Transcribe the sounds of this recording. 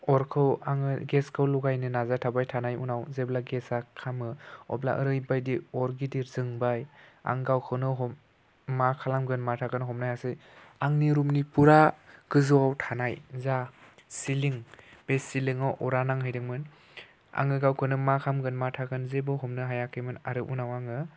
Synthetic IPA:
ɔɾkʰɯwaŋɯɡeskʰɯwluɡajnɯnazatʰabajtʰanajṵnawzeblaɡesakʰamɯɔ̰bla̰ʔəɾɯjbajdiɔɾɡidiɾzɯŋbaja̰ŋɡawkʰɯnɯɦɔm | makʰalamɡɯnmatʰaɡɯnɦɔmnajasɯaŋniɾumnipuɾaɡ̥ɯzuwawtʰanajzasiliŋb̥esilɯŋɯwʔɔɾanaŋɦɯjdɯŋmɯn | a̰ŋɯɡawkʰɯnɯmakʰamɡɯnmatʰaɡɯnzebɯɦɔmnɯɦajakʰɯmɯnaɾɯʔṵnawaŋɯ

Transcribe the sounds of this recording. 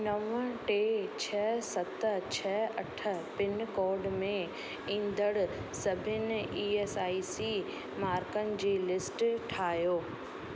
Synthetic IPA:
nɐʋəʈeːt͡ɕʰɐɦsɐt̪ət͡ɕʰɐɐʈʰə̆pɪnkɔːɾɖmẽ | ĩːnd̪əɽsɐbʱɪnɪiːesaːisiː | maːɾkənɪ̆d͡ʑeːlɪsʈʈʰaːɦjoː

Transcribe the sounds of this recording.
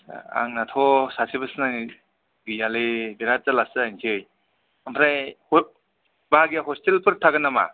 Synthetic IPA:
a̰ŋnatʰɔsasibɯsnaŋ | ɡijalebiɾazalasɯjntʰej | ampʰɾajh | baaɡijaɦɔstelpʰɯɾtʰaɡɯnama̰

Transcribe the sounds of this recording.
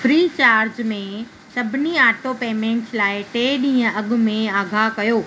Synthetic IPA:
fɾiːt͡ɕaːɾd͡ʑmẽ | sɐbʱɪniaːʈopeːmẽɳʈslaːɪʈeːɗĩːə̃ɐɡʊ̆mẽaːɡʱakɐjoː

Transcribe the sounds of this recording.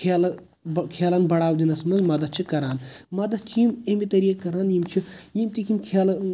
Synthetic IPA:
kʰelɐ | kʰeːlɐnbɐɽaːwd̪inɐsmɐnzmɐd̪ɐt̪̚t͡ʃʰikɐɾaːnmɐd̪ɐt̪̚t͡ʃʰiimemit̪ɐɾiːɐkɐɾaːnjimt͡ʃʰijimt̪ikʰimkʰeːlɐ

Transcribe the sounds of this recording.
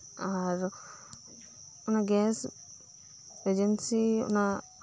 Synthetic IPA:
aɾ | unaɡɛs | ed͡ʒensiṵna

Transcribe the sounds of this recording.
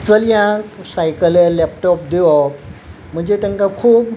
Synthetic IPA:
t͡səlijãk̚sajkələlɛp̚tɔp̚d̪iɔ | m̤ənd͡ʑet̪ɛŋkakʰuːp̚

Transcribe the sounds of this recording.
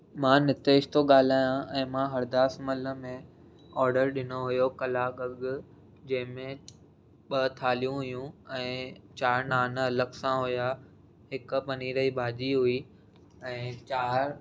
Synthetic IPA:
mãnɪt̪eːʃt̪oɠaːl̤aːjãʔɛ̃ːmãɦɐɾd̪aːsmɐlə̆mẽ | ɔːɾɖəɾɗɪnoɦʊjokɐlaːkɐɠʊ̆ | d͡ʑɐ̃ɦɪ̃mẽ | ɓɐt̪ʰaːlijũɦʊjũɛ̃ːt͡ɕaːɾnaːnɐləksãɦʊja | ɦɪkʊ̆pɐniɾɐɦibʱaːd͡ʑiɦʊi | ɛ̃ːt͡ɕaːɾ

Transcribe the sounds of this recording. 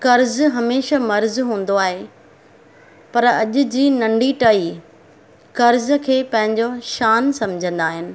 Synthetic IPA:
kɐɾzɦɐmeːʃamɐɾzɦũːn̆d̪oaːɦe | pɐɾɐ̰ʄʊd͡ʑiːnɐ̃ɳɖiʈɐi | kɐɾz̆kʰeːpɐ̃ɦɪ̃ɲd͡ʑoʃaːnsɐmd͡ʑʱə̃nd̪aːɦɪnɪ̆

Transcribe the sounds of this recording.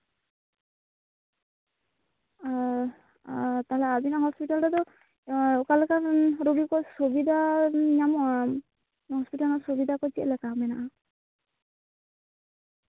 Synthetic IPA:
t̪aɦlɛabinahɔspitaldɔd̪ɔ | kalɛkaɾubikɔsubid̪ʱaɲjamɔ | hɔspitalnɔsubid̪akɔt͡ʃiɛlɛkamɛnaʔa

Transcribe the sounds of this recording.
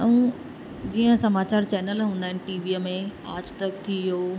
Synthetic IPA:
əũ | d͡ʑiːə̃sɐmaːt͡ɕaːɾt͡ɕɛːnəlɦũːnd̪aɦɪnɪ̆ʈiːʋiːəmẽaːd͡ʑt̪ɐk̚t̪ʰiijoː

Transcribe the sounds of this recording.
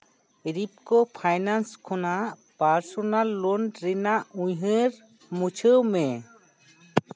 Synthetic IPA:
ɾip̚kɔpʰajnanskʰɔnaʔpaɾsɔnalːɔnɾinaʔũɲɦəɾ | mut͡ʃʰəwmɛ̃

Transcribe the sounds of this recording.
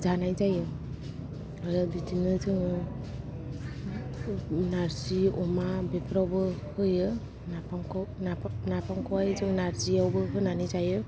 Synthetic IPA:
zanajzajɯ | ajadidinɯzɯŋɯ | naɾziɔmabepʰɾawbɯhɯjɯ | napaknanapaŋkʰɔwajzɯŋnaɾziawbɯkʰɯnanizajɯ

